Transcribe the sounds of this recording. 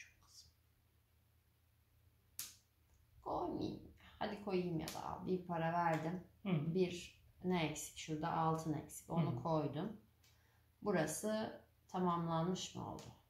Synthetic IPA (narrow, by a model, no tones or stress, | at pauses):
t͡ʃʰokkʰːɯ̥zm | kʰojmḭj̰mhad̪ikʰo̞jimja̰d̪a̰bipʰaɾavæɾd̪imbiɾnɛɛcsi̥cʃuɾd̪a̰ʔalˠt̪ʰɯnɛ̰csi̥co̞nukʰo̞jd̪um | buɾasɯ | t̪ʰamamlˠanmɯʃmɯ̰o̰lˠd̪ʊ